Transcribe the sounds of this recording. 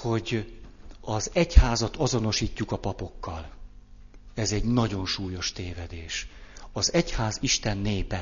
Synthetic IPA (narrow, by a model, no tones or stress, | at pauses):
ho̞ɟ | ɒzɛchaːzɒt̪ɒzo̞no̞ʃiːcːukɒpɒpo̞kːɒl | ɛzɛɟnɒɟo̞nʃuːjo̞ʃt̪eːvɛd̪eːʃɒzɛchaːziʃt̪ɛnːeːpɛ